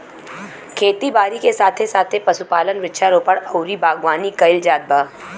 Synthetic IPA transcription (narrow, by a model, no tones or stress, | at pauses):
kʰeːt̪ibaːɾikesaːt̪ʰesaːt̪ʰepɐsupaːlənʋɪʃʰaɾoːpəɽɐʊɾibaːɡʋaːnikɐɪld͡ʒaːd̪̚baː